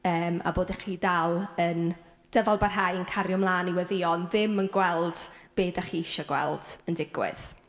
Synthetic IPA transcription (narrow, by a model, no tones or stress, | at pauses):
əːma̰boːdaχiːdalˠən | d̥əvalˠbarɦajənkʰaɾjɔmlˠaːniwɛðɪɔnðɪmənɡwɛlˠd̥b̥eːdaχiːɪʃɔɡwɛ̰lˠd̥əndɪɡwɪ̰ð̥